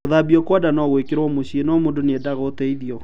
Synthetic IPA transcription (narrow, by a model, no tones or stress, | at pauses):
oðabiɔkwɔdanɔɣwekeɾwɔmoɕinɔmondonɛdaɣɔtɛiðiɔ